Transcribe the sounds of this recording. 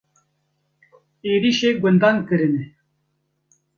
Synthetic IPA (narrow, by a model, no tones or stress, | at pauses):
eːɾiʃeɡʷənd̪aŋkɨɾɨne